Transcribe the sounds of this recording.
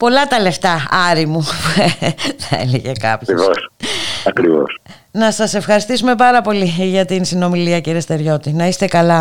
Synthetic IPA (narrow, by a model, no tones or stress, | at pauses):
po̞lɐt̪ɐle̞ft̪ɐɐɾimupueθɐḛleʝekɐ̰pivosɐkɾivo̰s | nɐsɐse̞fxɐɾist̪isume̞pɐɾɐpo̞liʝɐt̪insino̞miliɐciɾest̪e̞ɾʝo̞t̪inɐist̪e̞kɐlɐ